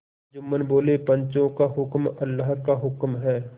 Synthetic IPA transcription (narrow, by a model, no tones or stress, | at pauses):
d͡ʒʊmːənboːlepə̃ɲt͡ʃõkaɦʊkmɐlːaɦkaɦʊkmɦɛː